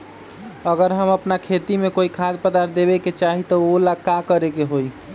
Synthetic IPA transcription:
əɡəɾɦəməpnakʰet̪imekoikʰad̪pəd̪aɾd̪ebeket͡ʃaɦit̪ɔolakakəɾekeɦoj

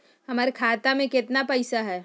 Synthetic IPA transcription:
hɐmaːɾekʰaːt̪amẽkɪt̪napɐɪsaɦɛː

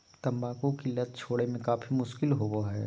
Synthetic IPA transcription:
t̪ɐ̃mbaːkõkilɐt̪̚t͡ʃʰoːɽemẽkaːfʰimʊʃkɪlɦoboɦɛː

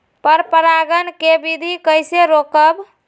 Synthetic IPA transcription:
pəɾpəɾaɡənkebid̪ʱikəjseɾokəb

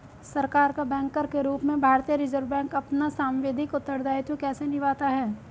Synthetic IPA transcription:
sɐɾkaːɾkabɛ̃ːŋkəɾkeɾuːpmẽbʱaːɾt̪ijəɾɪzəɾʋbɛ̃ːŋkɐpnasaːmʋeːd̪ʱɪkʊt̪ːəɾd̪aːjt̪jõkɛːsenɪʋaːt̪aɦɛː

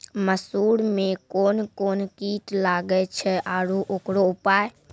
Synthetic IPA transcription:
məsuːɽmẽkoːnkoːnkiʈlaːɡɛt͡ʃʰɛʔaːɾuʔoːkɽoupaːe

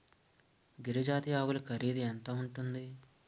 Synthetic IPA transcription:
ɡiɾɐd͡ʒaːt̪ijaːwulɐkɐɾiːd̪iɛnt̪aːuɳʈund̪i

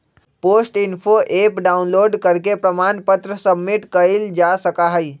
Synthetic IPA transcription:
poːsʈɪnpʰoʔeːpɖaːʊnloːɖkəɾkepɾəmaːnpət̪ɾəsəbːɪʈkəɪld͡ʒasəkaɦəi

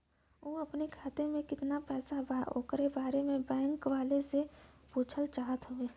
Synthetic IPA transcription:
oːɐpnekʰaːt̪emẽkɪt̪napɛːsabao̰ːkɾebaːɾemẽbɛ̃ːŋkʋaːlesepuːt͡ʃʰəlt͡ʃaːɦət̪ɦʊeː

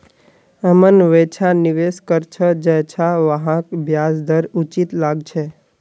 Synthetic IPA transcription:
əmənʋet͡ʃʰaniʋeskəɾt͡ʃʰəd͡ʒɛt͡ʃʰaʋəɦãkbʱjasd̪ʱəɾut͡ʃit̪laɡt͡ʃʰe

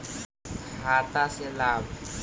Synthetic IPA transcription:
haːt̪aselaːb

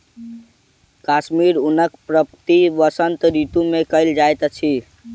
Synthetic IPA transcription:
kaʃmiɾunəkpɾəpt̪iʋəsənt̪ɾit̪ũmekəɪld͡ʒajt̪t͡ʃʰi

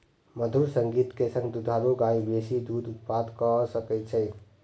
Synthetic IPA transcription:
məd̪ʱuɾsə̃ŋɡiːt̪kesə̃ŋɡd̪ud̪ʱaːloɡaːibesid̪uːd̪ʊt̪pad̪kɔsəkɛt͡ʃʰɛ

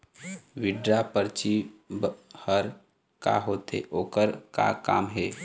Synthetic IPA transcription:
ʋɪɖɾapəɾt͡ʃibhəɾ | ka̰ɦoːt̪ḛʔoːkəɾka̰ka̰ːmɦɛː

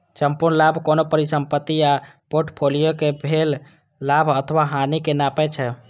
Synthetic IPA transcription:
t͡ʃəmpunlabʱkonopəɾisəmpət̪ːia | poɾʈpʰolijokebʱelː | abʱət̪ʰəʋaɦanikenapɛt͡ʃʰɛ

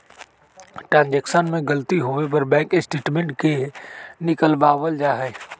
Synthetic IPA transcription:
ʈɾãːnd͡ʑɛːksənmẽɡɐlt̪iɦoʋep̬ɐɾbɛ̃ːŋkɪsʈeːʈmẽɳʈkenɪkəlbaːʋəld͡ʒaːɦɛː

